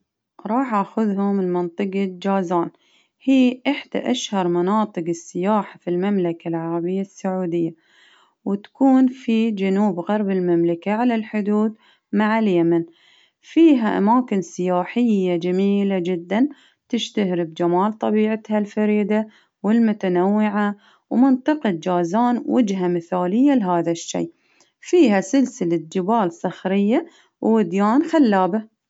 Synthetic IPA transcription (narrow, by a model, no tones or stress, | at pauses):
ɾˤɑːħʔaxʊðhʊmɪlmɪnt̪ˤɨqd͡ʒaːzaːn | hiːʔɪħd̪̥a̰ʔaʃhɑɾˤmanɑːt̪ˤɨqɪsːɪjaːħafilmamlakalʕɑɾˤɑbɪjːasːaʕuːd̪ɪjːa | wɪt̪ḁkuːnfid͡ʒanuːbɣɑɾˤbɪlmamlakaʕalalħʊd̪uːd̪ | maʕaljaman | fiːɦaʔa̰maːkɪnsɪjaːħɪjːad͡ʒamiːlad͡ʒɪd̪ːan | t̪ɪʃt̪ahɾɪbd͡ʒamaːlt̪ˤɑbiːʕɪt̪halfaɾiːd̪a | wɪlmʊt̪anawːɪʕa | wmɪnt̪ˤɑqɨd̪̚d͡ʒaːzaːnwʔad͡ʒɦamɪθaːlɪjːalɦaːðaʃːḭː | fiːɦasɪlsɪlad͡ʒɪbaːlsˤɑxɾɪjːa | wːɪd̪jaːnxalːaːba